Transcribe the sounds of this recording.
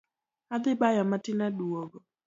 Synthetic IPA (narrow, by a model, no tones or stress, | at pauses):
ad̪ɪbajɔmatɪnaduoɡo